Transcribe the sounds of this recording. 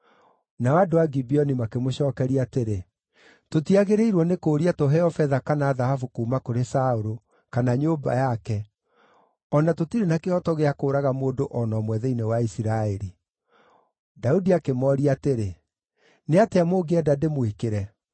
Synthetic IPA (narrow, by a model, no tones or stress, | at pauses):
nawadowaɡibiɔnimakemoɕɔːkɛɾiateɾe | totiaɣeɾeiɾwɔnekoːɾiatoɦɛɔfɛðakanaːðahafukuːmakoɾesaoɾo | kanaɲoːba̰jakɛ | ɔnatotiɾenakeɔtɔɣeakoːɾaɣamoːdoʔɔnɔmwɛðɛinewaisiɾaɛɾi | daudiakemɔːɾiateɾe | neateamoːɡeɛdademwikeɾɛ